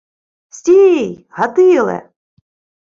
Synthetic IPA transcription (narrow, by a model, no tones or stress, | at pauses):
sʲtʲijɦat̪ɪlˠɛ̰